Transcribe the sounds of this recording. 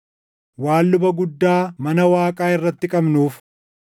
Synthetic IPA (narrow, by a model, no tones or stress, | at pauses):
waːlːʊbɐɡʊd̪ːaːmɐnɐwaːkʼaːɪrːɐt̪ːɪkʼɐbnuːf